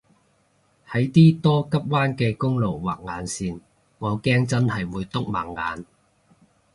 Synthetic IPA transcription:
hɐ˨˥jt̪iː˥t̪ɔː˥kɐ˥p̚waː˥nkɛː˧kʊ˥ŋlo˨˩wwa̰ː˨˩k̚ŋaː˨˧nsiː˨n | wɔː˨˧kɛː˥ŋt͡sɐ˥nhɐ˨jwuː˨˧jt̪ʊ˥k̚ma̰ː˨˩ŋːa̰ː˨˧n

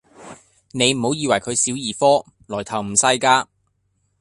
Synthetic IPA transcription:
ne˨˧jm̩˨˩ho˨˥wjiː˨˧wɐ˨˩jkʰɵ˨˧ɥsiː˨˥wjiː˨˩fɔː˥ | lɔː˨˩jt̪ʰɐ˨˩wm̩˨˩sɐ˧jkaː˧

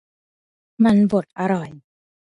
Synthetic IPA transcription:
ma˧nbo˨˩t̪̚ʔa˧ɾɔ˨˩j

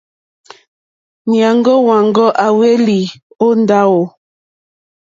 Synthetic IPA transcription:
nja˨ŋɡɔ˦wa˨ŋɡɔ˦ʔa˨we˦li˨ | o˦n˦da˦wo˨

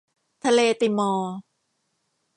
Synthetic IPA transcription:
t̪ʰa˧leː˧t̪iː˧˩mɔː˧

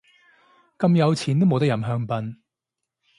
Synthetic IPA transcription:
kɐ˧mjɐ˨˧wt͡sʰiː˨˩nt̪o˥wmo˨wt̪jɐ˨˩mɦœː˧ŋpɐ˧n

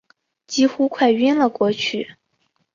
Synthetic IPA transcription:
t͡ɕi˥xu˥kʰwa˥˩ɪi˥nlə˨kwɔ˧˥t͡ɕʰy˥˩

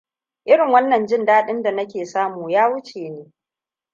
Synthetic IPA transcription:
ʔɪ˦ɽɪ˨ŋwɐ˦nːɐ˨nd͡ʒɪ˦ndaː˦ɗɪ˦nda˨nɐ˦kʲeː˨saː˦muː˨jaː˦wʊ˦t͡ʃeː˨neː˦

